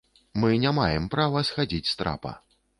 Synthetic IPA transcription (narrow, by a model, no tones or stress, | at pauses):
mɨnʲamajɛmpɾavɐsxad͡zʲit͡sʲst̪ɾa̰pɐ̰